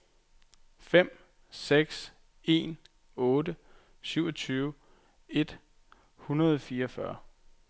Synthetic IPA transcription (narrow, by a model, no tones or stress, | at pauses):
fem̰ | seɡ̥s | e̝̰ːn | ɔ̽ːdə | syʊɒt͡sʰyːʊ | e̝d̥ | hunɐð̞ˠɒfiːɐɒfɶ̰ɐ